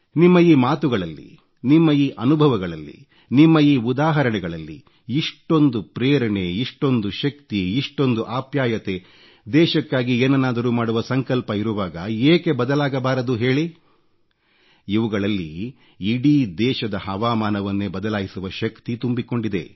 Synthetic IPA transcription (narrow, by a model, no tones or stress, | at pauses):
nimːɐiːmaːt̪uɡɐɭɐlːḭ | nimːɐiːʔɐnubʱɐʋɐɡɐɭɐ̰lːḭ | nimːɐiːud̪aːɦɐɾɐɳɛɡɐɭɐlːḭ | iʂʈo̞nd̪upɾeːɾɐɳeiʂʈo̞nd̪uʃɐkt̪iiʂʈo̞nd̪uʔaːpjaːjɐt̪e̞ | d̪ɛːʃɐkːaːɡieːnɐnaːd̪ɐɾuːmaːɽuʋɐsɐŋkɐlpɐiɾuʋaːɡɐeːke̞bɐd̪ɐlaːɡɐbaːɾɐd̪uɦe̞ːɭi | iʋuɡɐɭɐlːḭ | iɽid̪ɛːʃɐd̪ɐɦɐʋaːmaːnɐʋɐnːebɐd̪ɐlaːjisuʋɐʃɐkt̪it̪umbiko̞ɳɖid̪e̞̰